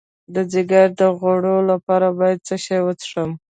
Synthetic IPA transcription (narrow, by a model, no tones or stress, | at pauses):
d̪əzɪɡaɾd̪əɣoɽolapɑɾabɑjad̪̚t͡səʃɑjwət͡sʂəm